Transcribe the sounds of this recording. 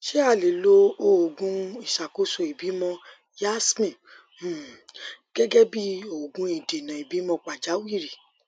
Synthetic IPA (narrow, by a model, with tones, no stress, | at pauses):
ʃe˦a˦˨le˨lo˧o˦˨ɡũ˧˦i˦˨ʃa˨ko˨˦so˧i˨bi˨˦mɔ̃˧ | ja˦smĩ˨˦˨ | ɡ̥ɛ˦ɡɛ˦bi˦o˦˨ɡũ˧˦i˨de˨nã˨i˨bi˨˦mɔ̃˧k͡pa˨d͡ʒa˨˦wi˦˨ɾi˨